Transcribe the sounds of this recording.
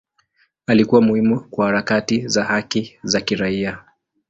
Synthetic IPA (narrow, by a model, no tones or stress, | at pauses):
alikuwamuhimukwahaɾakatizahakizakiɾaia